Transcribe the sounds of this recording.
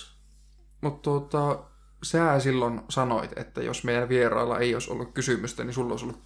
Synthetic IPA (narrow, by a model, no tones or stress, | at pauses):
mut̪t̪uot̪ɑ | sæːsilːonsɑno̰it̪ḛt̪ːæ̰jo̰smeˑjænʋieɾɑ̰ilːɑ̰ʔeijoiso̰lːukkysymyst̪ænisulːo̰ˑisolːut